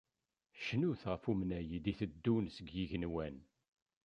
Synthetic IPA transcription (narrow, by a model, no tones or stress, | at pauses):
ʃnuθʁəfumnæjid̪iθəd̪ːunsəɡjiʝənwæn